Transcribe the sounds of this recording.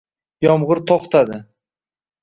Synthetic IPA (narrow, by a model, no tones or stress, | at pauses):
jɒmʁɨɾt̪ʰɒχt̪ʰad̪ɪ